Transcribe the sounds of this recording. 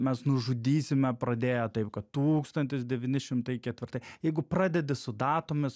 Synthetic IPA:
mʲɛsnʊʒʊd̪ʲiːsʲɪmʲɛpɾɐd̪ʲeːjɛt̪ɐɪpkɐt̪t̪uːkst̪ɐnʲt̪ʲɪs̬d̪ʲɛʋʲiːnʲɪʃʲɪmt̪ɐɪkʲɛt̪ʲʋʲɪɾt̪ɐɪjɛɪɡʊpɾɑːd̪ʲɛd̪ʲɪsʊd̪ɑːt̪ʊmʲɪs

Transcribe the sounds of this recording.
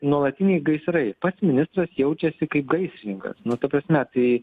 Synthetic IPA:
nuɔlˠɐt̪ʲɪnʲɛɪɡɐɪsɾɐɪpɐt̪smʲɪnʲɪst̪ɾɐsjɛʊt͡ʃʲɛsʲɪkɐɪp̚ɡɐɪsʲɾʲɪnʲɪŋkɐ̰snʊt̪ɐpɾɐsʲmʲɛt̪ɐɪ

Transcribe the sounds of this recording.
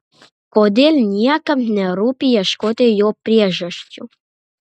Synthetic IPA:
kod̪elʲnʲiakəmnɛɾupʲijɛʃkod̪ejoprʲeʒəʃt͡ɕʲu

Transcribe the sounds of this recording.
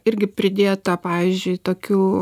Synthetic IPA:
ɪɾʲɡʲɪpʲɾʲɪd̪ʲeːt̪ɐpɑːʋʲizʲd͡ʒʲʊɪt̪oːkʲuː

